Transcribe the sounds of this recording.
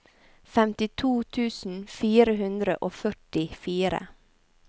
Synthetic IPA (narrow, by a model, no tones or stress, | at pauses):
fɛmt̪ɪt̪ʰuːt̪ʰʉːsn̩fiːɾəɦʉnd̪ɾə̰ʔoːfœʈɪfiːɾə̰